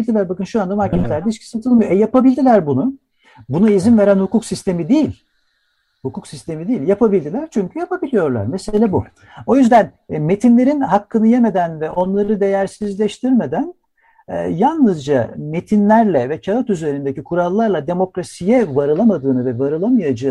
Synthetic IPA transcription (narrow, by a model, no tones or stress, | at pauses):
lʲd̪ilʲæɾbakɯnʃuand̪amaɾcʰɛlʲæɾd̪ɛit͡ʃcʰi̥sat̪ʰɯlˠmɯjoʔɛjapabilʲd̪ilʲæɾbunʊ | bunuizinve̞ɾænhukuksist̪e̞mid̪ejilʲ | hukuksist̪ʰe̞mid̪ejːilʲjapʰabilʲd̪ilʲæɾ̥t͡ʃʰyɲcʰyjapabilʲijo̞ɾlˠa̰ɾmeselʲabu | o̞jyzd̪æn | me̞t̪ʰinlʲe̞ɾinɦakʰːɯnɯjeme̞d̪ænvɛʔo̞nlˠaɾɯd̪e̞jæɾsizlʲɛʃt̪ʰiɾme̞d̪æn̰ː | jalˠnɯzd͡ʒame̞t̪ʰinlʲæɾlʲɛvɛcʰalat̪yze̞ɾind̪e̞cikʰuɾalˠːaɾlˠad̪e̞mo̞kɾasijɛvaɾɯlˠamad̪ɯːnɯvɛvaɾɯlˠamɯjad͡ʒɯː